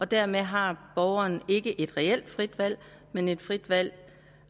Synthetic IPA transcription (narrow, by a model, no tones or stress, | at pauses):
ɒ̽d̥æɐmeɦɑ̈b̥ɒʊɐne̝ɡ̥əʔe̝d̥ʁɛel̰d̥fʁid̥ʋæl̰ | mene̝d̥fʁid̥ʋæl̰